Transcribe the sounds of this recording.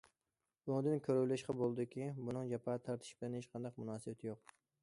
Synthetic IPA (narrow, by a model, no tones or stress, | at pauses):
uŋd̪ɪnkʲʰøɾywlɪʃqɑbolˠd̪ɪkʲibunɨŋd͡ʒɛpʰɑːt̪ʰɑɾt̪ʰɪ̥ʃbɪlɛnheʃqʰɑnd̪ɑqmʊnɑːsɨbɛt̪ʰɪjoq̚